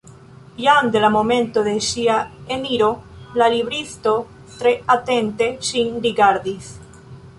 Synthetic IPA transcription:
ʎand̪elamomẽnt̪oðesiaeniɾolaliβɾiθt̪o | t̪ɾeat̪ent̪esiŋɾiɣaɾðiθ

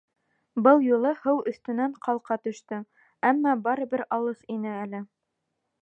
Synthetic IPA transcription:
bɤlˠjulˠɤhɤwɵ̆θt̪ɵ̆næɴqʰɑlˠqɑt̪ɵ̆ʃt̪ɵ | æmːɑbɑɾɤ̆bɘɾɑlˠɤθinɘælɘ

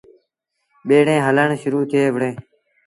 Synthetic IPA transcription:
ɓeːɽẽːɦələɳʃʊɾuːt̪ʰɪeːʋəɽẽː

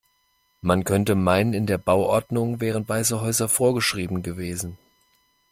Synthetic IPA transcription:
mankʰœntəmaɪnənɪndeːɐbaʊʔɔɐdnʊŋvɛːʁ̞ənv̥aɪzəɦɔʏzɐfoːɐɡəʃʁ̥iːbm̩ɡəveːzn̩

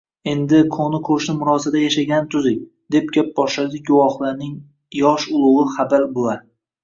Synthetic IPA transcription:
e̞nd̪ɪkʰonɪkʰoʃnɪmʊɾɒsad̪ajaʃaɡʲanɪt̪ʰʊzɪkʲ | d̪e̞p̚ɡʲap̚bɒʃlad̪ɪɡʊwɒχlˠaɾnɪŋ | jɒʃʊlˠʊʁɨχabaɾbolaɾ

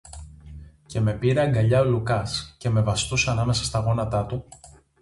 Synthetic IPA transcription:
ce̞me̞piɾeɐŋɡɐʎɐolukɐsce̞me̞vɐst̪usɐnɐme̞sɐst̪ɐɣo̞nɐt̪ɐt̪u

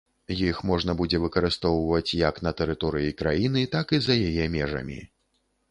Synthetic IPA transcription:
jixmɔʐn̪ɐbud͡zʲɛvɨkɐɾɨst̪ɔwvɐt͡sʲjɐkn̪ɐt̪ɛɾɨt̪ɔɾɨjikɾajinɨt̪akizɐjajɛmʲɛʐɐ̰mʲḭ

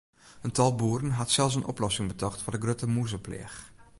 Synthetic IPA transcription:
əntɑlˠbuːrənɦɑtsɛlˠs̬ənʔɔ̰plɔsɪŋbətɔχtfʊːɹdəɡrøtəmuzəplḛːx

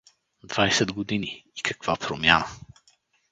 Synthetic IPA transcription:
d̪vajsɛd̪ɡod̪iniːkʰɐkv̥apɾomʲjanə

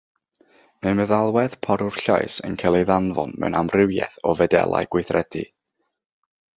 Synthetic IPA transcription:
mɛməðalˠwɛð̥pʰɔɾʊr̥ɬa̰ɨsə̰nkʰɛlˠejðanvɔ̰nmɛ̰wnamrɪwjɛ̰θɔvɛdɛ̰lˠa̰jɡ̥wɪɨθrɛd̥ḭ

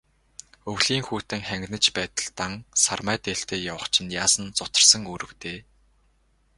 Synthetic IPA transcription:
ɵwɮiːŋxuːt̪ɘ̆ŋχæŋɡnə̆t͡ɕpæːt̪ə̆ɮt̪aŋsarmæːt̪eːɬt̪eːjawə̆χt͡ɕʰɪ̆njaːsə̆nt͡sʊt̪ə̆rsə̆ŋɵɾɵ̆wt̪eː

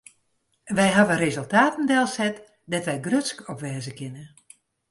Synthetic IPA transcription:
ʋɛjɦaʋərezɵlˠtaːtən̩dɛlˠsɛt | dɛtʋɛjɡrøtskɔpʋɛːzəkɪnə

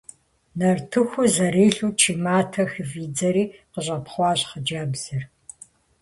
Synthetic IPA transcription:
nɐrtʰɨxʷʊzɐɾeːɬuːt͡ʃʰiːmaːtʰɐxɨviːd͡zɐɾiːqəɕ̬ʷʼɐpχʷɑːɕχəd͡ʒaːbz̥ɨr

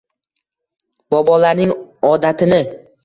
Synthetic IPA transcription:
b̥ɒbɒlaɾnɪŋɒd̪at̪ʰɪnɪ

